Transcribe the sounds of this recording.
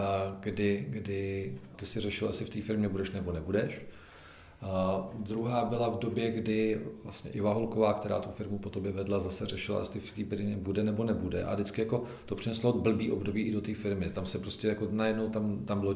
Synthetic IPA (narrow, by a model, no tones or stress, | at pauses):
ɡdɪɡdɪt̪ɪsɪrɛʃɪlʔa̰sɪft̪iːfɪɾmɲɛbudɛʃnɛbo̞nɛbudɛʃ | d̪ɾuɦaːbɪlavdo̞bjɛɡdɪvla̰st̪ɲɛ̰ʔɪvaɦo̞lko̞vaːkt̪ɛɾa̰ːt̪ufɪɾmupot̪objɛvɛdlazasɛrɛʃɪla̰ʔsɪft̪iːfɪɾɲɛbudɛnɛbo̞nɛbudɛ̰ʔa̰dɪt͡skɪjako̞ | t̪o̞pr̝̥ɪnɛslo̞bl̩biːʔo̞bdo̞biːʔɪdo̞t̪iːfɪɾmɪt̪amsɛpɾo̞scʲɛjako̞najɛdno̞wt̪amt̪ambɪlo